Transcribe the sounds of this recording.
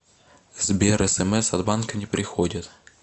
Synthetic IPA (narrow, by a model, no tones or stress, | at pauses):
zbʲɛɾɛsɛmɛsɐd̪bankɐnʲɛpɾʲɪxɔdʲɐt̪